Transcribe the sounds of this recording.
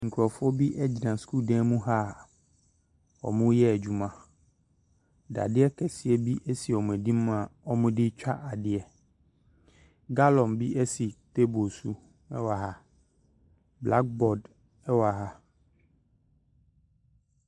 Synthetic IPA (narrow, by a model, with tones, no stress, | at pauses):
ŋ̩˨kʰɾɔ˨fʊ˦ɔ˦bi˦ʔɛ˦d͡ʑi˨nã˨skuː˦˨dɛ̃˦mũ˦ɦa˦˨ | ɔ̰˨mʊ̃˦jɛ˦æ˨d͡ʑᶣu˨mã˨ | da̰˨dɪ˦ɛ˦kʰɛ˨sɪ˦ɛ˦bi˦ʔɛ˦si˨ɔ˨mũ˨ɛ˨dĩ˦m˦ã˨ɔ˦mʊ̃˦dɪ˦t͡ɕᶣa˦ʔa˨dɪ˦ɛ˨ | ɡa˦lɔ̃˨mbi˦ʔɛ˦si˨t̪e˦bo˨su˦ | ɛ̰˦wa˨ɦa˦ | bla˦k̚bɔ˨d | ɛ˦wa˨ɦa˦